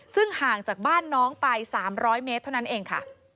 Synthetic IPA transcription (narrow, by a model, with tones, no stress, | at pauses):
sɯ˥˩ŋhaː˨˩ŋt͡ɕaː˨˩k̚baː˥˩nːɔː˦˥ŋpa˧jsaː˩˦mɾɔː˦˥jmeː˦˥t̪ʰːa˥˩na˦˥nʔeː˧ŋkʰa̰˥˩